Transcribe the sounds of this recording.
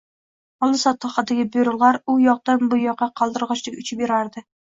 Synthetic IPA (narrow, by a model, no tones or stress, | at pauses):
ɒlˠɪsɒt̪ʰːɑχɑd̪aɡʲɪbeɾʊlˠʁaɾʊjɒq̚d̪anbʊjɒqːɑqʰɑlˠd̪ɨɾʁɑt͡ʃlɪkʲʊt͡ʃʰɪpbeɾaɾd̪ɪ